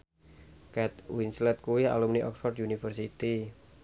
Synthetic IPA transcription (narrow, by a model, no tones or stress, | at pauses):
kɛt̪winslɛt̪̚kuia̰lumniʔɔ̰ksfɔrd̪junifərsit̪i